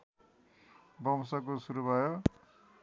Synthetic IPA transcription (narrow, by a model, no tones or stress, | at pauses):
bʌmsak̬osuɾubʱajo